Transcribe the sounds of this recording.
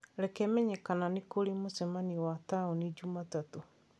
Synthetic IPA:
ɾɛkɛmɛɲɛkananekoɾemosɛmaniwataonid͡ʒumatato

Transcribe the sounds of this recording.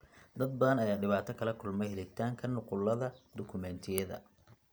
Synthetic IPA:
d̪ɐd̪̚bɐðɐnɐjaːɖɪβaːt̪ʰɐkʰɐlɐkʰʊlmɛhɛlɪt̪ʰaːŋkʰɐnːʊqʊlɐðɐd̪̥ʊkʰʊmɛnt̪ʰɪjɐðɐ̰

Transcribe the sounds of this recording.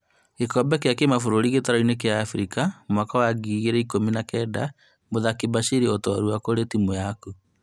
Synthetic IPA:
ekɔbɛk̬eakemafoɾoɾiɣetaɾainek̬eaːfɾikamwakawaɡiːɣeɾɛikominakɛːda | boðakebaʃiɾiotɔaɾuakoɾetimojaku

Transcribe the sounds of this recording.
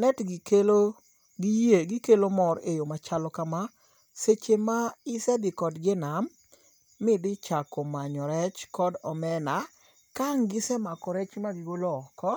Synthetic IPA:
nɛtɡɪkelo | ɡijeɡɪkelomɔɾejomat͡ʃalɔkama | set͡ʃemaɪsɛdɪkɔdɡenamː | ɪdɪt͡ʃakɔmaɲɔɾɛt͡ʃkɔdɔmɛna | kaŋɡɪsɛmakɔɾɛt͡ʃmaɡɪwoloɔkɔ

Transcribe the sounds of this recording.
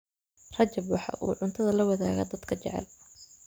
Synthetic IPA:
r̥ɐt͡ʃɐbwɑħɑ̰ːʔṵːʕʊnt̪ʰɐðɐlɐwɐðaːɣɐ̰ːd̪ɐd̪̥kʰɐt͡ʃɛ̰ʕɛ̰l

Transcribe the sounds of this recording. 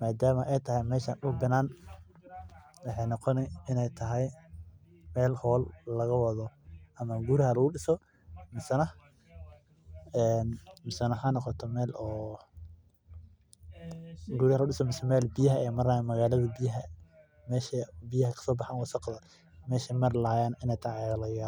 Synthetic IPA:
maːd̪aːmɐʔɛjt̪ʰɐɦɛjmɛːʃaːnʊbɪnaːn | wɑħɑjnɔqɔnɛɪnɛjt̪ʰɐɦɛj | mɛːlhɔːlːɐɣɐwɐðɔʔɐmɐɡuɾɪɦɐlɐɣʊɗɪsɔ | mɪsɐnɐ | ɛːnmɪsɐnɐħanɔqɔt̪ʰɔmɛːlɔː | ɡuɾhɐlɐʊɪsɔmɪsɛmɛːlbɪjɐɦɐɛːmɐrnamɐɣaːlɐðɐbɪjɐɦɐ | mɛːʃɐbɪjɐɦɐkʰɐ̥sɔːbɑħaːnwɑsɑqðɐ | mɛːʃɛmɐrlaːjaːnɪnɛjt̪ʰɐɛaɣɐlɐɣɪa

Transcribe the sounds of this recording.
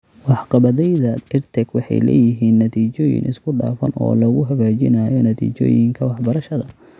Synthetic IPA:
wɑħqɑβɐðɛjðɐɪrt̪ʰɛɡwɑħɑjlɛ̰ːjɪɦiːnːɐt̪ʰiːt͡ʃɔːjɪ̰nʔɪskʰʊɖa̰ːfɐ̰nɔ̰ːlɐɣʊɦɐɣaːt͡ʃɪ̰naːjɔnɐt̪ʰḭːt͡ʃɔ̰ːjɪŋkʰɐwɑħbɐɾɐʃɐðɐ

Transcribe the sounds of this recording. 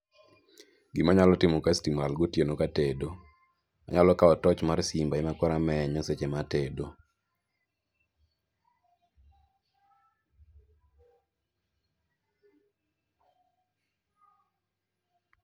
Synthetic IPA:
ɡɪmaɲalɔtɪmɔkastimɾalɡotjenokatedo | a̰ɲalɔkaɔtɔt͡ʃmarsimbaɪmakwɔɾamɛɲɔset͡ʃematedo

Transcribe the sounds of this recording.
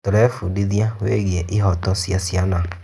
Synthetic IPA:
toɾɛfudiðiaweɣiɛʔeɦɔtɔsjasjana

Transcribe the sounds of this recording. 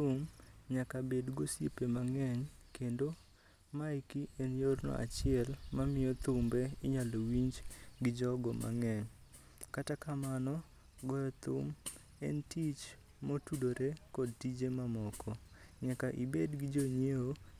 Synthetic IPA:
ʊmɲakabedɡosjepemaŋɛɲkendo | maikienjornɔ̰ʔa̰t͡ʃɪɛlmamɪjɔt̪ʊmbeɪɲalowiɲd͡ʒɡɪd͡ʒɔɡɔmʔa̰ŋɛɲ | katakamanɔ | ɡɔjɔt̪ʊ̰m | ɛ̰ntit͡ʃ | motudoɾekɔd̚tid͡ʒemamɔkɔɲakaʔibedɡɪd͡ʒoɲeo

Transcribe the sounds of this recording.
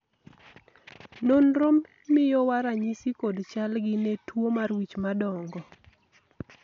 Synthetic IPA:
nonɾomː | ɪjɔwaɾaɲisikodt͡ʃalɡɪnetwomarwit͡ʃmadɔŋɡɔ

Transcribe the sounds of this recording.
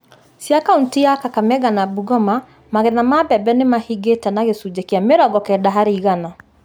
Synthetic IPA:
siakauntijakakamɛɣanabuɡɔma | maɣɛnamabɛbɛnemahiɡetanaɣesud͡ʒekiameɾɔɡɔkɛdaɦaɾeiɣana

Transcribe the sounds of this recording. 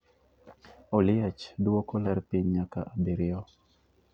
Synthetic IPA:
ɔlɪɛt͡ʃdwokɔlɛɾpiɲɲaka̰ʔabiɾɪɔ

